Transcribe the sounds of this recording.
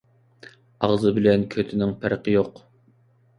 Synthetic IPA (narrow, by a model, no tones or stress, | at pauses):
ɑʁzɨbɪlɛnkʲʰøt̪ʰɪnɪŋpʰæɾqəjoq